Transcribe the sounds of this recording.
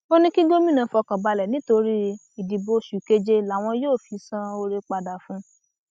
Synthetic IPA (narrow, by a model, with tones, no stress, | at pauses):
o˦nĩ˦ki˦ɡo˦mĩ˦nã˨˧fɔ˧kã˨ba˧lɛ˨nĩ˨˦to˧ɾi˦ | i˨di˨bo˧ʃu˨ke˧d͡ʒe˧la˨w̃ɔ̃˧joː˦˨fi˧sã˧o˧ɾe˧k͡pa˧da˨fũ˧˦